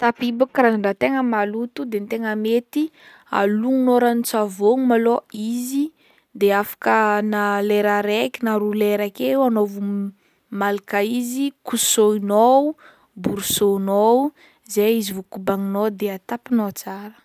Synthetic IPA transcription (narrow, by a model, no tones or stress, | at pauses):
t̪apibukraaɳɖ͡ʐat̪eŋəmalut̪ud̪ent̪eŋəmet̪i | a̰luŋunoɾanit͡savoŋumaloizi | d̪eafḁkənaleɾaɾekinaɾuleɾakewanovu | malikaizikusoinou | buɾusonou | zeizivukubaŋinod̪eat̪apinoat͡saɾə̥